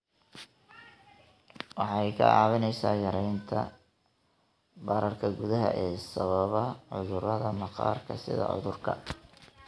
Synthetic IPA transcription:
wɑħɑjkʰɐ̰ɑ̰ːβɪnɛjsa̰ːjɐɾɛjnt̪ʰɐ | bɐɾɐrkʰɐɡʊðɐɦɐ̰ʔɛːsɐβɐβɐʕʊðʊɾɐðɐmɑqɑ̰ːrkʰɐsɪ̰ðɐ̰ʕʊ̰ðʊrkʰɐ̰

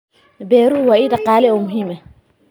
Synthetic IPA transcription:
bɛɾuwaidaqaːlɛɔmuɦimːɛ

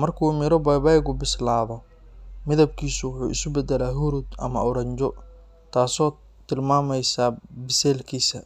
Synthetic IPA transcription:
mɐrkʰuːmɪɾɔbajbajɣʊbɪslaːβɔ | mɪðɐb̚kʰiːsʊwʊħuːɪsʊbɛd̪ɛlaːɦʊɾud̪ɐ̰mɐ̰ɔɾɐɲt͡ʃɔ | t̪ʰaːsɔː | t̪ʰɪlmaːmɛjsaːbɪsɛːlkʰiːsɐ

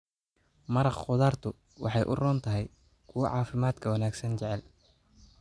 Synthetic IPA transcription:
mɐɾɑχqʊðaːrt̪ʰʊ | wɑ̰ħɑjʔʊ̰rɔːnt̪ʰɐɦɛj | kʰʊwɑ̰ʕɑːfɪmaːd̪kʰɐwɐnaːɡsɐnt͡ʃɛʕɛl

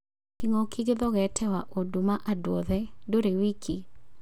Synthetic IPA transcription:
kiŋɔkiɡeðɔɣɛtʰɛwaʔodumaʔadwɔðɛdoɾewikʰi

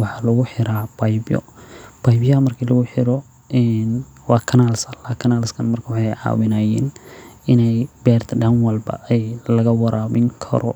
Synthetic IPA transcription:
wɑħɑːlɐɣʊħɪɾaːb̥ɐjbjɔ̰b̥ɐjbjɐɐmɐrkʰiːlɐɣʊħɪɾɔ | ɛn | wɑːkʰɐnalsɐlaːkʰɐnalɪskʰɐnmɐrkʰɐwɑħɑjʕɑ̰ːwɪnaːjɛːnɪnɛjbɛːrt̪ʰɐɖɐnwɐlbɐ̰ʔɛjlɐɣɐwɐɾʔaːbɪŋkʰɐ̰ɾɔ̰

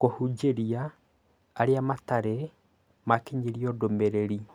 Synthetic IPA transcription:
kohud͡ʒeɾiaː | ɾeamataɾɛ | makeɲeɾiɔdomɛɾeɾi

